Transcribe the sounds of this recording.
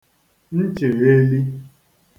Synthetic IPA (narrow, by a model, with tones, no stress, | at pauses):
n̩˦t͡ʃe˨ɣe˦li˦